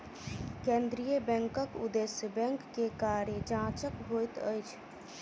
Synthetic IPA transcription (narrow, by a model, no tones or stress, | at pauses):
kẽːnd̪ɾijəbɛ̃ŋkəkʊ̰d̪esəbɛ̃ŋkːekaːɾed͡ʒãt͡ʃəkɦojt̪əjt͡ʃʰ